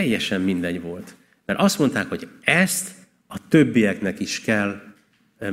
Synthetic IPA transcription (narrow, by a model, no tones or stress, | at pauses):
ɛjːɛʃɛmːind̪ɛɲʋo̞lt̪ | mɛɾʔɒst̪mo̞nt̪aːkho̞ɟɛst̪ | ɒt̪øbːijɛknɛkiʃkɛlː